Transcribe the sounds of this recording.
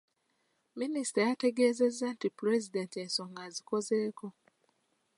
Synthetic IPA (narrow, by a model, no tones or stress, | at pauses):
minisi̥tajateɡeːzezan̩tipɾezidentensoŋɡazikozeːko